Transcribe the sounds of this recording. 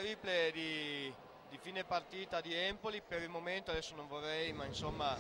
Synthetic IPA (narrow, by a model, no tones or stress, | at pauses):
ɾipled̪i | d̪ifiːnepart̪iːt̪ad̪iɛmpolipeɾilmoment̪oad̪ɛsːonoɱvorːɛjmainsomːa